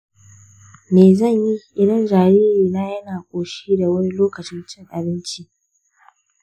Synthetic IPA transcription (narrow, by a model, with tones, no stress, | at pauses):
meː˨zɐ˦˨ɲji˦ʔɪ˨dɐ˦nd͡ʒaː˨niː˦ɾiː˨naː˦jɐ˦naː˨kʷʼoː˨ʃiː˦da˨wɐ˦ni˦loː˦kɐ˨t͡ʃɪ˦nt͡ʃɪ˦˨ŋʔa˨bɪ˦nt͡ʃi˦